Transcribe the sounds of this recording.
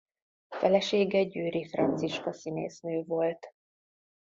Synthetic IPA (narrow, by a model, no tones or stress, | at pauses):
fɛlɛʃeːɡɛɟyːɾifrɒ̰nt̪siʃkɒsinḛːsnøːvo̞lt̪